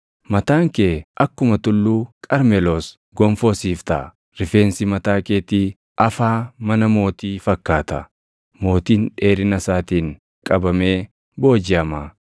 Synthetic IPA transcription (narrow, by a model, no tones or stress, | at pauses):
mɐt̪aːŋkeːʔɐkːʊmɐt̪ʊlːuːkʼɐɾmɛloːs | ɡɔɱfo̞ːsiːft̪a̰ | ɾɪfe̞ːnsɪmɐt̪aːkeːt̪iː | ʔɐfaːmɐnɐmo̞ːt̪iːfɐkːaːt̪ɐ | mo̞ːt̪iːnᶑe̞ːɾɪnɐsaːt̪iːŋ | kʼɐbɐme̞ː | bo̞ːd͡ʒɪɐma